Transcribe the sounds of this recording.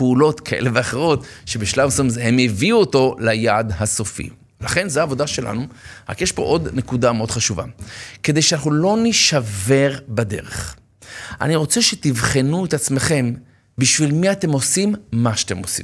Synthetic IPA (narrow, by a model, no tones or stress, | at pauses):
peulo̞t̪kʰaʔḛleveaχeʁ̞o̞tʃe̞biʃlavsomzeɦemeviuoto̞lajadhaso̞fḭ | laχe̞nzeaːvo̞daʃelʔa̰nuʁa̰kjeʃpo̞̰ʔo̞d̪nekudameo̞d̪χaʃuva̰ke̞d̪e̞jʃeanaχnulo̞niʃave̞ʁbade̞̰ʁeχ | ʔa̰niʁo̞t͡seʃetivχenuet̪at͡sme̞χe̞m | biʃvilmiatemo̞simːaʃat̪emosḭm